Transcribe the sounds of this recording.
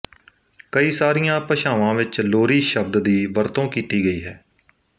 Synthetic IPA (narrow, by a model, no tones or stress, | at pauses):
kəiːsaːɾɪjãːpəʃaːʋãːʋɪt͡ʃloːɾiːʃəb̚d̪d̪iːʋəɾt̪õːkiːt̪iːɡəiːɦɛː